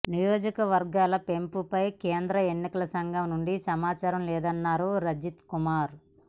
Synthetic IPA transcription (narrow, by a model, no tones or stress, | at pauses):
nijɔːd͡ʒikɐʋɐɾɡaːlɐpe̞mpupɐjkeːnd̪ɾɐenːikɐlɐsɐŋɡʱɐmnuɳɖisɐmaːt͡ʃaːɾɐmlɛːd̪ɐnːaːɾuɾɐd͡ʒit̪kumaːɾ